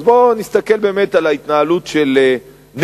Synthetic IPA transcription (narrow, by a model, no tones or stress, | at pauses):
zbonist̪ake̞lbe̞ːmet̪alait̪naalut̪ʃele | n